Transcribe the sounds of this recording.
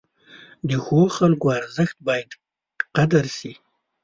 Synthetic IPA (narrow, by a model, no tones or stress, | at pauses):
d̪əxoxalkoaɾzəxt̪̚bɑjad̪ | qad̪aɾsi